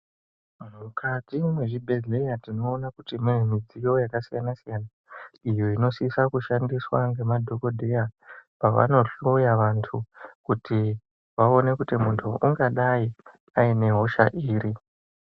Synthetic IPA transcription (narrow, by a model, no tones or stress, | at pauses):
m̤ukʰad͡zimwe̞ʐibʱe̞ɮle̞jatino̞ːnakutimiʐemid͡zijo̞jakasijanasijana | ijo̞ino̞sisakuʃandiswaŋɡe̞madʱo̞ko̞dʱe̞japaʋa̰no̞ɬujaʋantʰukuti | ʋaone̞kutimuntʰuʔuŋɡaɗai | aine̞ɦo̞ʃa̰ʔiːɾi